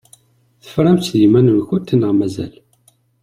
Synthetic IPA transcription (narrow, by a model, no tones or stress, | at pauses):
θə̥fɾˤæmt͡sːðimænənçʊnt̪ːnəʁmæzæ̰l